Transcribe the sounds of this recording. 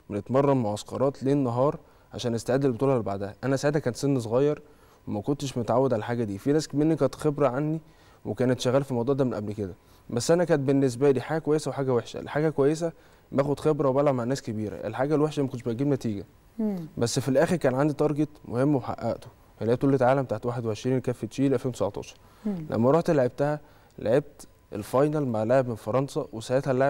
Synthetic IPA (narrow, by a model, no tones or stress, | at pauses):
menet̪mɑrˤːɑmoʕɑskɑɾˤɑːt̪leːnːɑɦɑːɾˤ | ʕaʃæːnʔest̪aʕed̪ːelbot̪uːlʕalbaʕd̪æhæʔænæsaʕed̪hækæːnt̪senːs̬ˤoɣɑjːɑɾˤ | wemækont̪eʃmot̪ʕawːed̪ʕalælħaːɡæd̪iːfinæːskmenːikæːt̪xebɾæʕanːi | wekæːnet̪ʃæɣæːlfilmɑwd̪ˤɑːd̪æmenʔæblked̪æ | bæsːʔænækæːnt̪̚benːes̬bæliːħaːɡækowæjːesæwħaːɡæweħʃæ̰lħaːɡækowæjːes̬æ | bæːxod̪xebɾˤɑwbælaʕmaʕnæːskebiːɾæ̰ʔḛlħaːɡælweħʃæmækod̪ʃbæɡːebnæt̪iːɡæ | bæsːfilʔæːxeɾkæːnʕand̪it̪ˤɑɾˤɡet̪mohemːweħa̰ʔːæʔt̪o̥ | hælʕebt̪olːet̪ʕaːlæmbt̪aʕt̪waːħed̪weʕeʃɾiːnkæːfːet̪ʃiːlʔælfeːnwt̪sʕt̪ɑ̰ːʃɑ̥ɾˤ | lʔæ̰mːæɾˤɑħt̪eleʕeb̚t̪æhæ | leʕeb̚t̪ | ʔḛlfɑjnælmaʕleʕebmenfɑɾˤɑnsɑwesæhet̪hælːeʕe